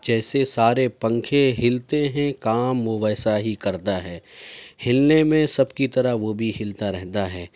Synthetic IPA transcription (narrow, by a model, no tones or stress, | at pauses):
d͡ʒɛːsesaːɾepɐ̃ŋkʰeɦɪlt̪eɦɛ̃kaːmʋoʋɛːsaɦikɐɾt̪aɦɛːhɪlnemẽsɐbkit̪ɐɾaɦʋobʱihɪlt̪aɾɛɦt̪aɦɛː